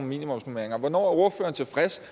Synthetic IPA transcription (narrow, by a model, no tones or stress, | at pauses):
nmḭːnimɒ̽msnumeɐeŋɐʋɒnɒ̰ːoɐfø̰ːɐnt͡sʰe̝fʁɛs